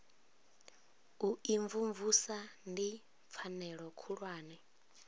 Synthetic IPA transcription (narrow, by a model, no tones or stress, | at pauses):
uiɱvuɱvusandi | p̪fʰanɛɺɔkʰuɺwaːnɛ